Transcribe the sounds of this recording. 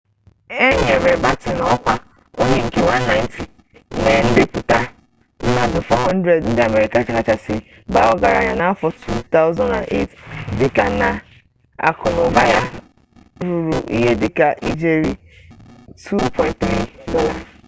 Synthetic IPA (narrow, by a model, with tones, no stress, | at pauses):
e˦ɲe˨ɾe˨ba˦tɪ˨n˨˦ɔ˦kʷa˦ | o˦ɲe˦ŋ̩˦ke˦wa˦nː˦a˦ɪ˦ntʰi˨˦ | ne˨n̩˦dɪ˨pʊ˨ta˦ | n̩˦ma˨dʊ˨fɔ˦ɦɔ˦n̩˦dɾe˨dn̩˦dɪ˨a˨me˦ɾi˦ka˨˦t͡ʃa˦ka˦˨t͡ʃa˨sɪ˦ | ba˦ɔ˦ɡa˨ɾa̰˦ɲa˨na˦fɔ˨tʰu˦t̪a˦ʊ˦zɔ˦na˨nʔḛ˦tdɪ˨ka˨na˨ | a̰˨kʰʊ˨lʊ˨ba˦ja˦ | ɾu˨ɾu˨ʔḭ˦ɦe˦dɪ˨ka˨ʔi˦d͡ʒe˦ɾi˦ | tʰu˦pʰɔ̃˦ɪ̃˦ntθɾi˦dɔ˦la˨